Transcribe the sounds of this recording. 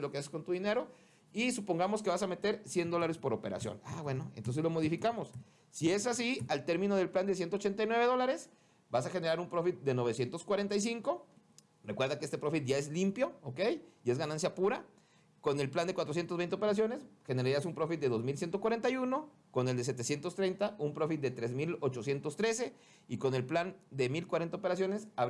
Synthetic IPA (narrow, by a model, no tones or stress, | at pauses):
lo̞keasesko̞nt̪uðine̞ɾo̞ | isupo̞ŋɡamo̞ske̞βasame̞t̪e̞ɾsje̞nd̪o̞laɾe̞spo̞ɾo̞pe̞ɾa̰sjo̰naβwe̞no̞ḛnt̪o̞nse̞zlo̞mo̞ðifikamo̞sː | ie̞sasialt̪e̞ɾmĩno̞ð̞e̞lpland̪esje̞nt̪oot͡ʃent̪ajnwe̞βðo̞laɾe̞s | basaxe̞ne̞ɾaɾumpɾo̞fit̪̚d̪e̞no̞βe̞sje̞nt̪o̞skwaɾe̞nt̪ajs̬iŋko̞ | rekwe̞ɾðakeest̪e̞pɾo̞fit̪̚ʝae̞zlimpjo̞oke̞jie̞zɣanãnsjapuɾa | ko̞ne̞lpland̪ekwat̪ɾos̬je̞nt̪oβent̪eope̞ɾas̬jo̞ne̞sxe̞ne̞ɾaɾiasumpɾo̞fit̪̚d̪e̞ðo̞zmilsje̞nt̪okwaɾe̞nt̪ajuno̞ | ko̞neld̪e̞s̬e̞t̪e̞sje̞nt̪ost̪ɾe̞jnt̪aumpɾo̞fit̪̚d̪e̞t̪ɾe̞zmilo̞t͡ʃo̞sje̞nt̪o̞st̪ɾe̞se̞ | iko̞ne̞lpland̪e̞milkwaɾe̞nt̪aopeɾas̬jo̞nesaβ